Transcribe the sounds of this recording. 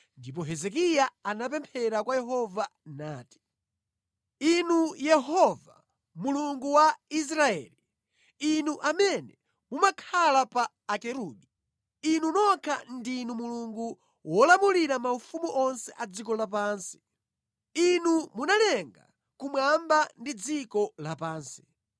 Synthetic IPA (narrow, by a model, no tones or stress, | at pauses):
ndip̬ɔɦɛzɛk̬ijaanap̬ɛmpʰɛɾakwajɛɦɔvanaːti̥ | inujɛɦɔva | muluŋɡuwais̬ɾaɛ̰ːli | inuʔamɛnɛ | mumakʰalapaːkɛɾuɓi | inunɔkʰandinumuluŋɡu | wɔlamuliɾamaufumuʔɔnsɛʔad͡zikɔlap̬aːnsi̥ | inumunalɛŋɡa̰ | kumwambandid͡zikɔlapaːnsi̥